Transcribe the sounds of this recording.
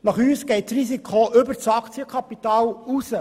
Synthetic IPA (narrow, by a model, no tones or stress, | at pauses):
nɑχyːsɡ̥ɛɪtrisikʰoʔʏbəɾt͡sɑkt͡siəkʰɑpit̪ɑːlusə